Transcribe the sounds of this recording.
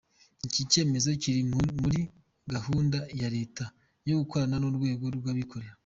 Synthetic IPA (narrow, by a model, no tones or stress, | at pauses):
cice̞ːme̞zo̞ciɾimuɾi | ɡahuːndajaɾe̞ːta | jo̞ɡuko̞ɾananoɾɡwe̞ːɡo̞ɾwaβikʰo̞ɾe̞ɾa